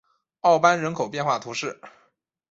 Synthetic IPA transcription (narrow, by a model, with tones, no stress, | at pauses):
ɑ˥˩ʊpa˥nɻə˧˥nkʰo˨˩ʊpjɛ˥˧nxwa˥˩t̪ʰu˧˥ʂɻ̩˥˩